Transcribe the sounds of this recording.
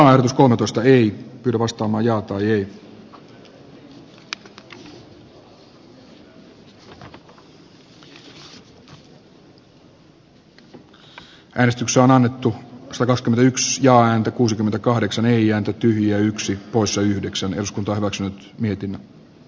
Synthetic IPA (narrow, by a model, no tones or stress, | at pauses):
ɑːehɾot̪usko̞lmet̪oist̪ɑeipyːɾæʋɑst̪ɑːmɑːjɑːt̪ɑːjei | ʔæːnest̪ykseonɑnːet̪ːusɑt̪ɑkɑkskymet̪æyksjɑːæːnt̪ækuːsikyment̪ækɑhdeksɑneiæːnt̪æt̪yhjiæyksipoissɑyhdeksænḛduskunt̪ɑːhyʋæksynyt̪ | miet̪inːæ